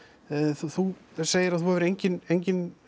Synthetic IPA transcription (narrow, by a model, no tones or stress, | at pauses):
θθuseːjɪɾaðθuhɛvɾejɲcɪnejɲcɪn